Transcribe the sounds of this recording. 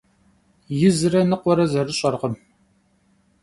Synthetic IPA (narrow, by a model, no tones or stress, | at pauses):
jɪzɨɾɐnɨqʷɔɾɐzɐrɨɕʼɐrʁəm